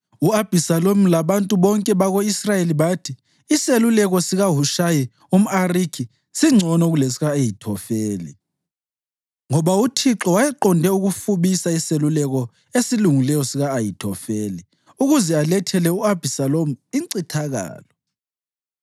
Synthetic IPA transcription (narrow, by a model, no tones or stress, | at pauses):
uab̥ʱisalom̩laβantʼuβɔŋkʼɛβaɣoisrajeliβatʰiː | selulɛɣɔsiɣaɦuʃaji | um̩arikʰi | siŋ͡ǀʱɔnɔɣules̬iɣaejitʰɔfeːlḭ | ŋɔβautʰiǁɔwajɛǃɔndʱɛuɣufuβisaiselulɛɣɔ | esiluŋilɛjɔsiɣaːjitʰɔfeːli | uɣuzɛalɛtʰɛlɛuab̥ʱisalomuiǀitʰaɣa̰ːlɔ